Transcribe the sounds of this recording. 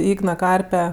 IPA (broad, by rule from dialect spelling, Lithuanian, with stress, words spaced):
ˈiːɡnɐ ˈkɐrʲpʲɛ